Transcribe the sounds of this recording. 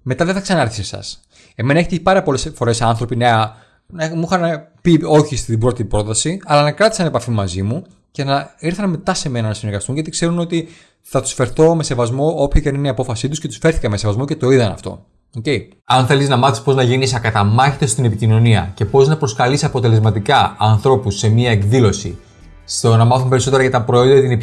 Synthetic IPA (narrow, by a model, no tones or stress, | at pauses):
me̞t̪ɐðeθɐksɐnɐeɾθi̥sesɐ̰s | e̞me̞nɐeçet̪eipɐɾɐpo̞le̞sfo̞ɾe̞sɐnθɾo̞pineɐ | nmuxɐnɐpio̞çist̪ibɾot̪ibɾo̞t̪ɐsiɐlɐnɐkɾɐt̪i̥sɐne̞pɐfimumɐzimu | ce̞nɐiɾθɐnɐme̞t̪ɐse̞me̞nɐnɐsineɾɣɐst̪unʝɐt̪i̥kse̞ɾuno̞t̪i | θɐt̪u̥sfe̞ɾθo̞me̞se̞vɐzmo̞opçocɐnineiɐpo̞fɐsit̪usce̞t̪usfe̞ɾθikɐme̞se̞vɐzmo̞ce̞t̪o̞iðɐnɐ̰ft̪o̞̰ | ocei | ɐnθe̞liznɐmɐθispo̞znɐʝenisɐkɐt̪ɐmɐçit̪est̪ine̞picino̞niɐ̰ce̞po̞znɐpɾo̞skɐlisɐpo̞t̪e̞le̞zmɐt̪ikɐɐnθɾo̞pusːe̞miɐe̞kðilo̞si | st̪onɐmɐθumpeɾiso̞t̪eɾɐʝɐt̪ɐpɾooðɐɐt̪ine